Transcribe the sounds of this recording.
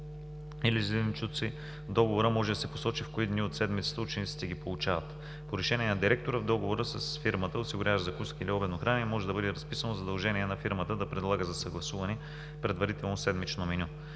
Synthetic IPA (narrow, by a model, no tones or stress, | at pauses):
iliznt͡ʃut̪si | d̪ɔɡovoɾəmɔʒɛd̪ɐsɛpo̥sɔt͡ʃifkoid̪niot̪sɛd̪mit̪sə̥t̪əʊt͡ʃɛnit̪si̥t̪ɛɡʲipolˠut͡ʃavɐt̪ | poɾɛʃɛniɛnɐd̪iɾɛk̚t̪oɾəvd̪ɔɡovoɾəsəsfiɾmət̪əosiɡʊɾʲjavəʒzɐkuskəiliɔbɛnoxɾanɛmɔʒɛd̪ɐbɤd̪ɛɾɐspisənozɐd̪ɐlˠʒɛniɛnɐfiɾmət̪əd̪ɐpɾɛd̪lˠaɡəzɐsɐɡlˠɐsuvɐnɛ | pɾɛd̪vɐɾit̪ɛlˠnosɛd̪mit͡ʃnominʲu